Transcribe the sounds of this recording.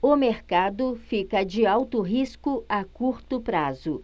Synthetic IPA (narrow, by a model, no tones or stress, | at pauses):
ʊmeɾkad̪ʊfikɐd͡ʒɪawt̪ʊɦiskʊakuɾt̪ʊpɾazʊ